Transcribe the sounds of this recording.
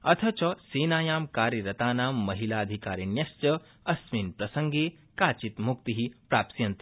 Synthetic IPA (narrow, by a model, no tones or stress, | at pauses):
ɐt̪ʰɐt͡ʃɐseːnaːjaːmkaːɾjiɾɐt̪aːnaːmːɐɦilaːɐd̪ʱikaːɾinjɐst͡ʃɐ | ɐsminpɾɐsɐŋɡe | kaːt͡ʃit̪muk̚t̪iɦipɾaːpsijɐnt̪